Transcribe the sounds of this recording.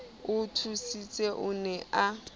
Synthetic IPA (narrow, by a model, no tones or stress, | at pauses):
ʊtʰusit͡sʼeʔʊnɛʔa